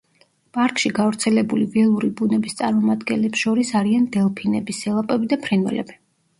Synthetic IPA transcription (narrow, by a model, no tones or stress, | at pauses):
pʼaɾkʼʃiɡavɾt̪sʰɛlɛbulivɛlˠuɾibunɛbist̪sʼaɾmɔmad̪ɡɛ̰nlɛpsʃɔɾisaɾiand̪ɛlˠpʰinɛbisɛlˠapʼɛbid̪apʰɾinwɛ̰lɛ̰bi